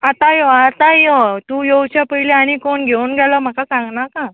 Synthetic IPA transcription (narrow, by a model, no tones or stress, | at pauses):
at̪ajoat̪ajot̪uːjowt͡ɕapəileaɽ̃ikonɡʱeunɡʱɛləm̤akasãŋɡnaka